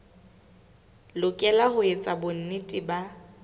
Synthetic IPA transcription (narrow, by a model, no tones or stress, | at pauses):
lʊkʼɛlahʊet͡sʼabʊn̩nɪtʼɪba